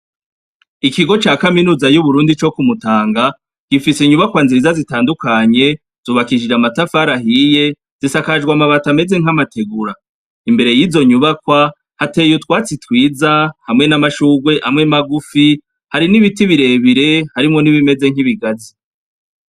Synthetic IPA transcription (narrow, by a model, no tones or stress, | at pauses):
ikiɡo̞t͡ʃaːkaminuːzajuβuɾuːndit͡ʃo̞kumutaːŋɡa | ɡ̥ifisiɲuβakwanziizazitaːndukaɲe̞ | z̥uːβakiʒiɾamatafaɾaɦije̞ | z̥isakaʒɡwamaβatame̞ze̞ŋ̥amate̞ɡuɾa | imbe̞ɾe̞jiːzo̞ɲuβakwa | hate̞ːjutwaːt͡sitwiːzahamŋe̞namaʃuːɡwe̞ʔamŋe̞maɡufi | haɾiniβitiβiɾe̞ːβiɾe̞haɾimŋo̞niβime̞ze̞ŋ̥iβiɡazi